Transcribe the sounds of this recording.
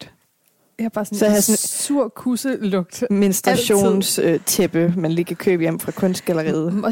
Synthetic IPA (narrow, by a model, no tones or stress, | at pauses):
d̥ | jab̥ɑ̈ːssɒhæsɔnsuɐ̰kʰusəlɔ̽ɡ̥d̥minsd̥ʁɑɕo̝̰ːnsøt͡sʰeb̥əmænliːkʰækʰø̰ːb̥jem̰fʁɑ̈kʰɔ̽nsd̥ɡ̥ælɐʁḭːð̩ˠ